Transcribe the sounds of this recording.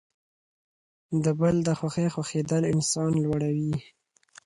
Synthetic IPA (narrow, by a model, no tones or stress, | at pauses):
d̪əbəld̪əxwaxexwaxed̪əlɪnsɑnlwaɽawi